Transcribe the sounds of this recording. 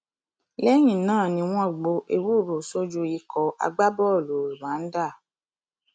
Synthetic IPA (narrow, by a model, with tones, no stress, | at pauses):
lɛ˦j̃ĩ˦˨nãː˦˨nĩ˧w̃ɔ̃˦˨ɡ͡bo˧ʔe˧wu˦˨ɾo˨so˦d͡ʒu˧i˧˦kʰɔ˧a̰˧ɡ͡ba˦bɔ˦˨lo˨ɾi˨ɾã˨˦n̩˦da˦˨